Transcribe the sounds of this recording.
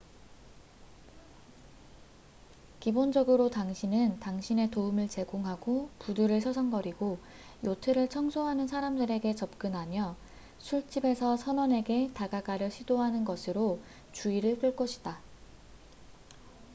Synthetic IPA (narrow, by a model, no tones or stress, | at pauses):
kibond͡ʑʌɡɯɾotaŋɕʰinɯntaŋɕʰine̞toumɯɭt͡ɕe̞ɡoŋɦaɡopuduɾɯɭsʰʌsʰʌŋɡʌɾiɡo | jotʰɯɾɯɭt͡ɕʰʌŋsʰoɦanɯnsʰaɾamdɯɾe̞ɡe̞t͡ɕʌp̚k͈ɯnɦamjʌ | sʰuɭt͡ɕ͈ibe̞sʰʌsʰʌnʌne̞ɡe̞taɡaɡaɾjʌɕʰidoɦanɯnɡʌsʰɯɾo | t͡ɕuiɾɯɭk͈ɯɭk͈ʌɕʰi̥da